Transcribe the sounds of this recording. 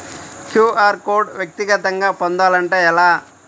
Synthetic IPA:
kʰjuːaːɾkoːɾɖʋjɐk̚t̪iɡɐt̪ɐŋɡaːpond̪aːlɐɳʈeːjɛlaː

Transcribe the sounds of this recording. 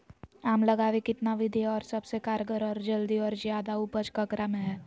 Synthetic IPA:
aːmlɐɡaːʋekɪt̪naʋɪd̪ʱiɦɛɔːɾsɐbsekaːɾɡəɾɔːɾd͡ʒɐld̪iɔːɾzjaːd̪aupət͡ʃkɐkɾamẽɦɛː

